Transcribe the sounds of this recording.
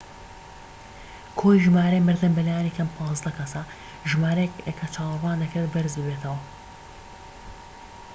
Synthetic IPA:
kʰojiʒɨmaːɾɐjmɨɾd̪ɨmbɐlaːjaːnikʰɐmpʰɑːzd̪ɐkʰɐsɐ | ʒɨmaːɾɐjɛkɐkʰɐt͡ʃʰɑːwrwaːnd̪ɐkɨd̪bɐɾzbɨbeːt̪ʰɐwɐ

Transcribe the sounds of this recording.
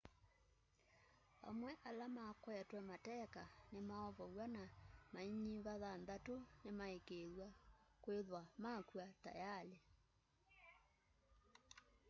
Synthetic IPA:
a̰mwɛʔalamakwɛtwɛmatɛkanemaɔβɔɣwanamaiɲiβaðanðatonemaekeːðwakweðwamakwata̰jale

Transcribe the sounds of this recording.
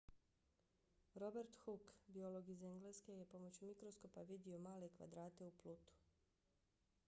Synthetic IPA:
ɾo̞be̞ɾt̪xukbio̞lˠo̞ɡize̞ŋɡleske̞jepo̞mot͡ɕumikɾosko̞paʋid̪io̞maːle̞kʋa̰d̪ɾaːt̪e̞uplˠut̪u̥

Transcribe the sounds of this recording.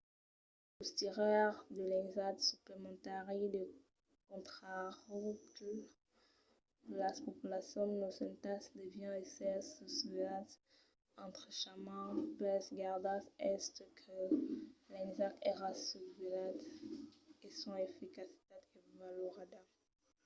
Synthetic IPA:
ust̪iʁœʁd̪əlɛ̃ŋzat̪syplemɑ̃t̪aʁid̪ə | kɔ̃t̪χaʁuk | blaspɔpylasjɔ̃nnosɛ̃nt̪asd̪evjɛ̃esɛsəsvlat̪ | ɑ̃t̪χəʃamãplɛsɡaʁd̪asɛst̪kʰə | lɛ̃ŋzakeʁasuvilat̪ | esɔ̃efikasi̥t̪at̪kəvaloʁad̪a

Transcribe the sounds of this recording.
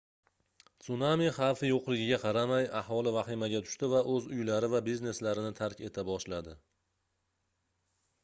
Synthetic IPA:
t̪sʊnamiχɑfɪjoqlˠɪɡʲɪɡʲaqʰɑɾamajahɒlˠɪvaχimaɡʲat̪ʰʊ̥ʃt̪ɪvaʔɵzʊjlaɾɪvabizne̞slaɾɪnɪt̪ʰaɾkʲe̞t̪ʰabɒʃlad̪ɪ

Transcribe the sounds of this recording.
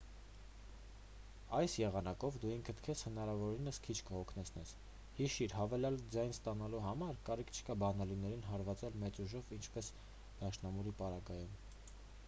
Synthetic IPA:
ɑjsjɛʁɑnɑkɔvd̪uiŋkʰət̪ʰkʰɛshənɑɾɑvɔɾinəskʰit͡ʃʰkəhɔkʰnɛt͡sʰn̪ɛs | hiʃiɾɦɑvɛlɑld͡zɑjnst̪ɑnɑluɦɑmɑɾkɑɾikʰt͡ʃʰə̥kɑbɑnɑlinɛɾinɦɑɾvɑt͡sɛlmɛt͡suʒɔvint͡ʃʰpɛs | d̪̥ɑʃnɑmuɾipɑɾɑɡɑjum

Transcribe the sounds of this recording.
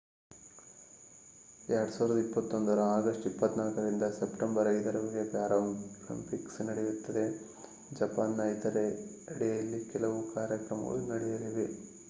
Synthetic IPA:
ɛɾɐɽusaːʋɾɐd̪ɐipːɐt̪ːo̞nd̪ɐɾɐaːɡɐsʈipːɐt̪ːnaːlkɐɾind̪ɐsepʈembɐɾɐjd̪ɐɾɐʋɐɭjɐpjaːɾɐmolḭmpiksnɐɽejut̪ːɐd̪e̞ | d͡ʒɐpaːnːɐjt̪ɐɾe | ɐɽejɐlːikɛlɐʋukaːɾjɐkɾɐmɐ̰lunɐɽejɐɾiʋe

